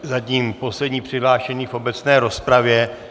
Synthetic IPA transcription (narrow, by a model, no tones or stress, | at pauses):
zaciːmpo̞slɛdɲiːpr̝̥ɪɦlaːʃɛɲiːfʔo̞bɛt͡snɛːɾo̞spɾavjɛ